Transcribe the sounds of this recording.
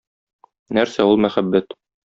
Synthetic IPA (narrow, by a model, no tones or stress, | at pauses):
næɾsæulˠmæχæbːæt̪